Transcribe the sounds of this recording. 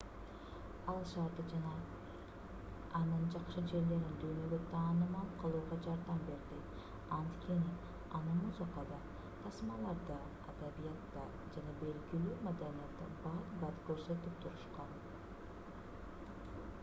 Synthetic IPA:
ɑlˠʃɑɾd̪ɯd͡ʒnɑ | ɑnɯnd͡ʒɑqʃɯd͡ʒe̞ɾle̞ɾind̪yːnø̞ɡøt̪ʰɑːnɯmɑlˠqʰɯlˠuːʁɑd͡ʒɑɾd̪ɑmbe̞ɾd̪i | ɑnt̪kʲʰe̞ni | ɑnɯmuzɑqɑd̪ɑ | t̪ʰɑsmɑlˠɑɾd̪ɑ | ad̪aβijat̪ːɑ | d͡ʒɑnɑbe̞lɡilyːmad̪anijat̪ːɯ̰bɑd̪bɑt̪køɾsø̞t̪ypt̪ʰuɾuʃqɑn

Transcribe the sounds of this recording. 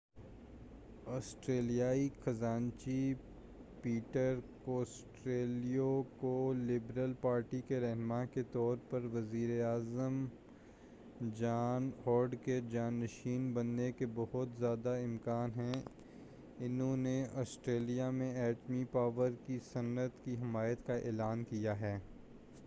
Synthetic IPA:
ɔːsʈɾeːlijaːixɐzaːnt͡ʃi | piːʈəɾkoːsʈɾeːlijokolɪbɾəlpaːɾʈikeɾɛɦnmãket̪ɔːɾpɐɾʋɐziːɾeaːzəm | d͡ʒaːnhɔːɾɖked͡ʒaːnːəʃiːnbɐnːekebɐɦʊt̪zjaːd̪aɪ̃mkaːnɦɛ̃ | ɪnɦõːneɔːsʈɾeːlijamẽɛːʈmipaːʋəɾkisɐnət̪kiɦɪmaːjət̪kaʔḛːlaːnkijaɦɛː

